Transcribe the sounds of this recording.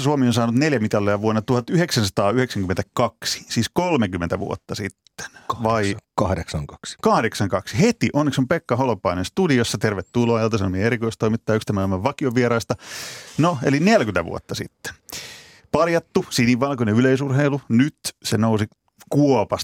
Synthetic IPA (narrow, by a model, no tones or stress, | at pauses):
suomionsɑːnut̪neljæmit̪ɑlːeɑʋuonːɑt̪uhɑt̪yheksænsɑt̪ɑːyheksæŋkyment̪ækɑksi̥siːskolmekymːent̪æʋṵo̰t̪ːɑsit̪ːe̥nʋɑikɑhdeksɑŋkɑ̥ksi̥kɑhdeksɑŋkɑksihet̪iʔonːeksompekːɑholopːɑinenst̪udiosːɑt̪erʋet̪ːuloɑjɑlt̪ɑsunmieɾikoist̪oimit̪ːɑjykst̪æmæomːɑʋʋɑkioʋʋieɾɑist̪ɑnoḛlinelkynt̪æʋṵo̰t̪ːɑsḭt̪ːe̥n | pɑljɑt̪ːusiːnːiːʋʋɑlkoneyleisurheilunyt̪senousi | kuopɑs